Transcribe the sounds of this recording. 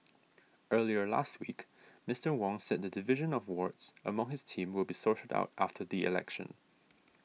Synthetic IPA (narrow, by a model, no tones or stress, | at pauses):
ʔɜːliə˞la̰st̚wik | mɪstə˞wɔ̃ŋsɛd̚ðədɪvɪʒə̃nɔvwɔɹtsʔə̰mʌ̃ŋhɪz̥tʰĩmwɪlˠbisɔɹtəda̰ʊtʔa̰ftʰəðiɪ̰lɛ̰kʃə̰̃n